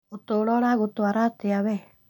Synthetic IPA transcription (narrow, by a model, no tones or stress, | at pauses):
otolɔɾaɣotoaɾateaβɛ